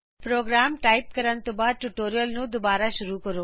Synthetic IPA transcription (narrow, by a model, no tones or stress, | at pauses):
pɾoːɡɾaːmʈaːip̚kəɾant̪obaːd̪̚ʈuʈoːɾijəlnũd̪ɔbaːɾaʃʊɾukəɾoː